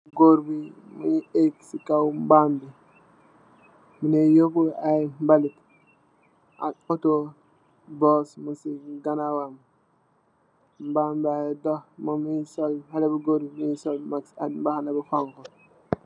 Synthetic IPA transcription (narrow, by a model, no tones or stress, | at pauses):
ɡoɾbi | muɲieksikawmbambi | munejokuajmbalit | a̰koto | bosmusiɡanawam | mbambiajdohmomuisolhalebuɡoɾbimusolmaka̰dmbahanabifoŋko